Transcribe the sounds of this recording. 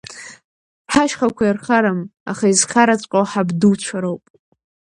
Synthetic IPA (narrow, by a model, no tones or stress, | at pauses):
ħaʃχakʷʰajarχaɾama̰χaizχʲaɾat͡ɕʷʼqʼawħabduwt͡ʃʷʰaɾowpʼ